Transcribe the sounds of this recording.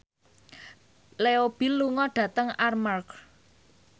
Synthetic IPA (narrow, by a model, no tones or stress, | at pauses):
leob̥i̤lːuŋɔɖ̥ä̤t̪əŋarmark